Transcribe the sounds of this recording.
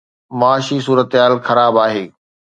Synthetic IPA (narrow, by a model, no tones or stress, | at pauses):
mɐaːʃis̬uːɾət̪ɦaːlxɐɾaːbaːɦeː